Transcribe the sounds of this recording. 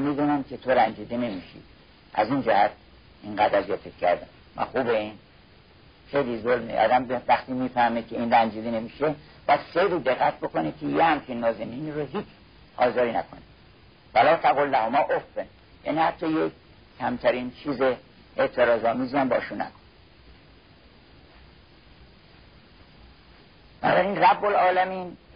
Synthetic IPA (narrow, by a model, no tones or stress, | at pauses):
miːd̪uːnæmkʲʰe̞t̪ʰo̞ɾænd͡ʒiːd̪ene̞miːʃḭ̥ | ʔæ̰zind͡ʒæhæt̪̚ | iŋɡæd̪æzjɒt̪ʰekʲcʰːæ̰ɾd̪æm | mæ̰nxuːbein | xejlizolmḛʔɒ̰ːd̪æmbvæxt̪iːmiːfæhmekʲʰeiːnɾænd͡ʒiːd̪enemiːʃe | b̥ɒjæd̪̥xejɾiːd̪eɣːæt̪̚bo̞konikʰejehæmkʰinːɒːzeniːniɾoɦiːt͡ʃʰ | ɒ̰ːzɒːɾiːnæ̰kʰo̰ne | vælɒːt̪ʰæɣolːæhomɒːʔofːen | jæ̰ːniːhat̪ʰːɒːje | kʰːæmt̪ʰæɾiːnt͡ʃʰiːze | eʔt̪ʰeɾɒːzɒːmiːziæmbɒ̰ːʃunːæ̰kʰon | b̥ænɒːbæɾinræbːolɒːlæmiːn